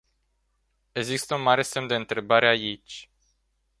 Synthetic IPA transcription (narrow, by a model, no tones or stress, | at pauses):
e̞ɡzist̪əunmaɾe̞se̞md̪e̞ɨnt̪ɾe̞baɾe̞ait͡ʃʲ